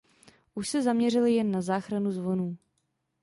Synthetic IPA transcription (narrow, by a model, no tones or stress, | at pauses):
ʔuʃsɛzamɲɛrɪlɪjɛnːazaːxɾanuzvo̞nuː